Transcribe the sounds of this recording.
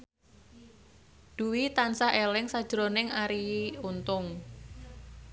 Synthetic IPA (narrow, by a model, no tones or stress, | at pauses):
d̪̥uwit̪ansaʔelɪŋsad̥ʒ̥ɾonɪŋaɾiunt̪ʊŋ